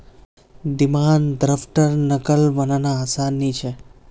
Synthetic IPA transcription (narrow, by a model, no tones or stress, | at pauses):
d̪imand̪ɾəfʈəɾnəkəlʋənanaːsanːit͡ʃʰe